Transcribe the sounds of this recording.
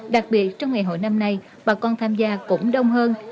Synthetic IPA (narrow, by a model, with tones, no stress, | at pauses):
ɗa˨˩k̚ɓi˨˩ət̚t͡ɕɔ˧wŋ͡mŋa˨˩jɦo̰˧˨jna˧mna˧j | ɓaː˨˩kɔ˧nt̪ʰaː˧mzaː˧kʊ̰˧˥ŋ͡mɗə˧wŋ͡mɦəː˧n